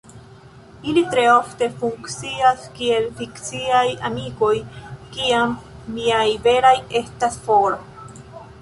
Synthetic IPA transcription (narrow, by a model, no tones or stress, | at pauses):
ilitɾe̞o̞fte̞fuŋkt͡siaskie̞lfikt͡siaja̰miko̞jkiamː | iajve̞ɾaje̞stasfo̞ɾ